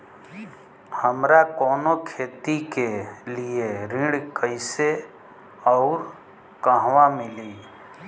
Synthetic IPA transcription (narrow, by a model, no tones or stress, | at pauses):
həmɾakɔːnokʰeːt̪ikelieɾɪ̃ɽkəɪse | ɔʊɾ | kəɦwamɪliː